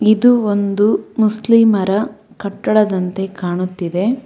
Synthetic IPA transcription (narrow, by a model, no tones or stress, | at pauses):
id̪uond̪umusliːmɐɾɐ | kɐʈːɐɽɐd̪ɐnt̪e̞kaːɳut̪ːid̪e̞